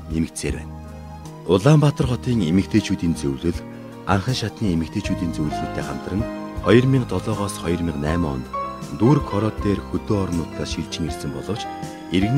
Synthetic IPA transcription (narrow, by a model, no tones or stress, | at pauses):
nemɘ̆kt̪seːrwpæ̰ːn | ʊɮaːmpat̪ə̆rχɔt̪iːŋemɘ̆k̚t̪ʰeːt͡ɕʰuːt̪iːnt͡sɵwɮɵ̆ɮ | arχə̆ŋʃat̪niːemɘ̆k̚t̪ʰeːt͡ɕʰuːt̪iːnt͡sɵwɮsuːt̪eːχam̥t̪ə̆rə̆nχɔjɞ̆rmʲiɴqt̪ɔɮɔːʁɔːsχɔjɞ̆rmʲiŋqnæːmɔɔ̰nt̪t̪uːrkʰɔɾɔt̪eːrxɵt̪oːɔɾɞ̆nːʊːt̪ːaːsʃiɮt͡ɕɪ̆ŋersɘ̆mpɔɮɞ̆wt͡ɕ | erɣn